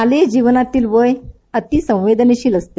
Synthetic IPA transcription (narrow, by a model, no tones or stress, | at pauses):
aled͡ʑiʋənat̪iːlʋəj | ət̪isə̃w̃ʋed̪əneɕiːləst̪e